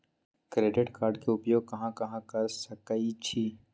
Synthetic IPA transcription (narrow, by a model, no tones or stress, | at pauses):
kɾeːɖɪʈkaːɾɖkeʊpjoːɡ̚kɐɦãkɐɦãkɐɾsɐkəit͡ʃʰiː